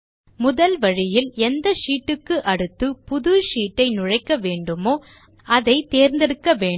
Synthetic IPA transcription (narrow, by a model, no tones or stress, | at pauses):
mʊðɐlʋɐɻɪjɪlɛnd̪ɐʂiːʈːɯkːɯʔɐɽɯt̪ːɯpʊðɯʂiːʈːɐɪnʊɻɐɪkːɐʋeːɳɖɯmoː | ʔɐðɐɪt̪eːɾnd̪ɪɽɯkːɐʋeːɳ